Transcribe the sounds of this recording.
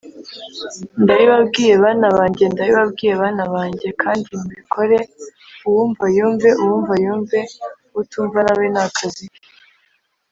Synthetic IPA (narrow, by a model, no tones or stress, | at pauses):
ndajiβab̚ɡiːje̞βanaβaːɲɟe̞ndajiβabɡiːje̞βaːnaβaːɲɟe̞kʰaːndimuikʰo̞ɾe̞uwuːɱvajuːmve̞ʔuwuːɱvajuːmve̞ | utuːɱvanawenakʰazi